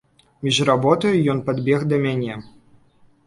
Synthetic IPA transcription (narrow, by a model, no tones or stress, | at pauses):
mʲiʐrabɔt̪ɐjujɔnpad̪bʲɛxd̪ɐmʲanʲɛ